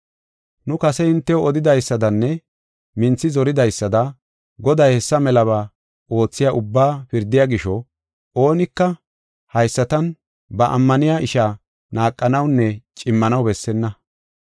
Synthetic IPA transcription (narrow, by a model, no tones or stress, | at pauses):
nʊkɐsɛɪnt̪ːɛjɔɔd̪ɪd̪ɐjsːɐd̪ɐnːɛ | mɪnt͡sːɪzɔɾɪd̪ɐjsːɐd̪ɐ | ɡɔd̪ɐjhɛsːɐmɛlɐβaː | o̞ːt͡sːɪjaʔʊbːaːpɪɾd̪ːɪjaːɡɪʃɔ | o̞ːnɪkːɐ | hɐjsːɐt̪ɐn | bɐʔɐ̰mːɐnɪjaʔɪʃa | naːkʼːɐnɐwnːɛt͡ʃʼɪmːɐnɐwbɛsːɛnːɐ